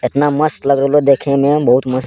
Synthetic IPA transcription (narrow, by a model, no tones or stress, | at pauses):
et̪naməst̪ləɡɾəlod̪eːkʰẽmẽbəɦut̪məs